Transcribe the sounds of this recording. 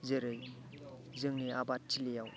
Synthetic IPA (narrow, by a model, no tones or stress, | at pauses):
zeɾɯj | zɯŋniabat̚tʰːilejaw